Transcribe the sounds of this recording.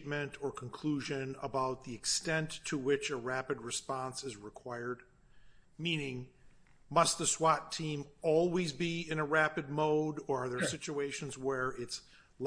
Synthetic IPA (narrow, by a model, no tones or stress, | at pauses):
t̚mɨ̃ntʰə˞kʰə̃n̩kʰl̥uʒɨ̃nə̰baʊt̪̚ðiɨkstɛ̃ntʰɨwɪt͡ʃəɹæpɨd̚ɹɨspɑ̃nsɨzɹɨkʰw̥aɪə˞d̚ | mĩnɪ̃ŋ | mʌst̪̚ðɨswɑtʰĩmɔlˠwizbiɪ̃ñəɹæpɨd̚moʊɾə˞ðə˞sɪt͡ʃueɪʃɨ̃n̩zwə˞ɪts | l